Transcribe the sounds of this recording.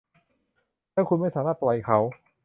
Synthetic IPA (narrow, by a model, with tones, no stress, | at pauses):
nʰa˥˩kʰu˧nma˥˩jsaː˩˦maː˥˩t̪̚lɔ˨˩jkʰa˦˥w